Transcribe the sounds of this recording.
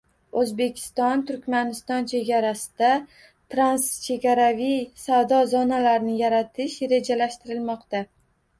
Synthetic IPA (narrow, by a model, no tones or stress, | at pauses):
ɵzbe̞kʲʰɪ̥st̪ɒnt̪ʰʊɾkʲmanɪst̪ɒnt͡ʃʰe̞ɡʲaɾasɪ̥d̪a | t̪ɾanst͡ʃʰe̞ɡʲaɾavijsavd̪ɒzɒnalaɾnɪjaɾat̪ʰɪʃɾe̞d͡ʒalaʃt̪ɪɾɪlmɒqt̪a